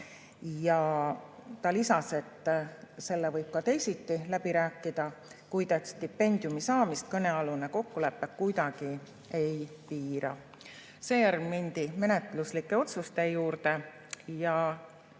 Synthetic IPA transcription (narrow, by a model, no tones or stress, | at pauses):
jɑ | t̪ɑlisɑse̞t̪ːˑse̞lːevɤjb̥̚kɑt̪e̞jsit̪ːilæb̥iɾæːkːid̪̥ɑ | kujd̪et̪st̪ipːe̞nʲd̪̥jumisɑːmist̪̚kɤne̞ɑlune̞ko̞kːule̞pːekkujd̪̥ɑɡ̥i | e̞jpiːɾɑ | se̞ːjæɾɡminʲd̪̥ime̞ne̞t̪luslikˑːe̞o̞t̪sust̪e̞juːɾt̪e̞ | jɑ